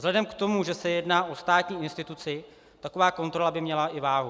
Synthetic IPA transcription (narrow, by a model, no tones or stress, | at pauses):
zlɛdɛmkt̪o̞muʒɛsɛjɛdnaːʔo̞st̪aːt̪ɲiːʔɪnst̪ɪt̪ut͡sɪ | t̪ako̞vaːko̞nt̪ɾo̞labɪmɲɛlaʔɪvaːɦu